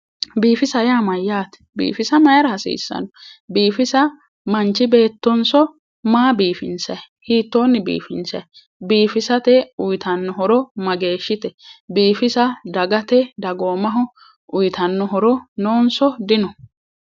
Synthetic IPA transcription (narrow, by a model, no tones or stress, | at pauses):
biːfɪsɐjaːmɐjːaːt̪ɛ̥bḭːfɪsɐmɐjɐɾɐhɐsḭːsːɐ̰nɔbiːfɪsɐ | mɐnt͡ʃɪbe̞ːt̪ːɔnsɔ | maːbiːfɪ̰nsɐj | hiːt̪ːo̞ːnːɪbḭːfɪ̰nsɐ̰j | biːfɪsɐt̪ɛʊjt̪ɐnːɔɦɔɾɔmɐɡe̞ːʃːɪt̪ɛbiːfɪsɐd̪ɐɡɐt̪ɛd̪ɐɡoːmɐɦɔ | ʊjt̪ɐnːɔɦɔɾɔnoːnsɔd̪ɪnɔ